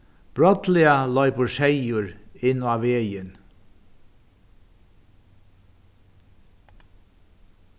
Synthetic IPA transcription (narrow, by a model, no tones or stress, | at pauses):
b̥ɹɔt̪lɪəlœʏpəʃeɪʊɹɪnɑːʋeːjən